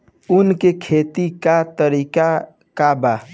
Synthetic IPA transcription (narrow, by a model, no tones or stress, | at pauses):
unkekʰet̪ikat̪əɾika | kaba